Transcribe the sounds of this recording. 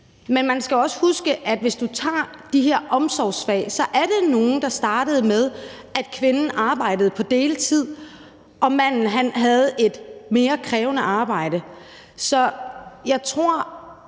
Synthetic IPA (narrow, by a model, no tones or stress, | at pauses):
menmænsɡ̥æɒ̽sə̥husɡ̥əʔæd̥ʋe̝sd̥ut͡sʰɑ̰̈ːd̥iɦeɐ̰ʔɒ̽msɒʊsfɛ̰ɪsɒ̽ʔæɐɾe̝no̝ːn̩d̥ɑ̈sd̥ɑ̈ːd̥əð̞̩ˠmeð̞ˠ | æd̥kʰʋe̝nn̩ʔɑ̈ːb̥ɑ̈ɪ̰d̥əð̩ˠpʰɒ̽d̥e̝ːlət͡sʰið̞̰ˠ | ʔɒ̽mæn̰n̩ɦænɦæð̞̩ˠe̝d̥me̝ːɐkʰʁɛːʊnəʔɑ̈ːb̥ɑ̈ɪ̰də | sɒ̽jɑ̈ɪt͡sʰʁo̝ɐ̰